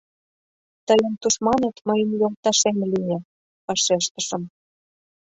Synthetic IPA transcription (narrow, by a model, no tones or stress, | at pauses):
t̪əjə̆nt̪uʃmɑnet̪məjə̆mjolt̪ɑʃemlije | ɑʃeʃt̪ə̆ʃə̆m